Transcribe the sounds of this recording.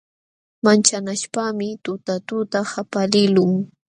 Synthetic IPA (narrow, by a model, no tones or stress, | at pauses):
mant͡ʃanaʃpaːmɪt̪ʊt̪at̪ʊt̪ahapalɪlʊŋ